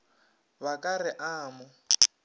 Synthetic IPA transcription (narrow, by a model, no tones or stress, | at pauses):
βakʼarɪʔaːmʊ